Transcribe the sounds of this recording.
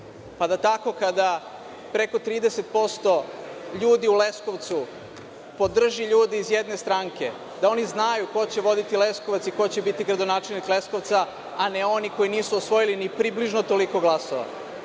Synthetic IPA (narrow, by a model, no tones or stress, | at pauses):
pad̪at̪ako̞kad̪a | pɾe̞ko̞t̪ɾiːd̪ese̞t̪̚po̞st̪o̞ʎuːd̪iule̞sko̞ʋt̪su | po̞d̪r̩ʒiʎuːd̪iizjed̪ne̞st̪ɾaːŋke̞ | d̪ao̞niznajuko̞t͡ɕe̞ʋo̞d̪it̪ile̞skoʋat̪siko̞t͡ɕebit̪iɡɾad̪o̞naːt͡ʃe̞lnikle̞sko̞ʋt̪saː | ne̞o̞niko̞jiniːsuosʋo̞jilinipɾibliʒnot̪o̞liko̞ɡlˠasoʋa̰